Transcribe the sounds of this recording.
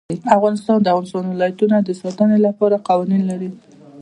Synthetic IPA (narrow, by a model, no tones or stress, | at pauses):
iafɣɑnɪst̪ɑnd̪əavɣɑnɪst̪ɑnwɪlɑjat̪unad̪əsɑt̪ənelapɑɾaqɑwɑninlaɾi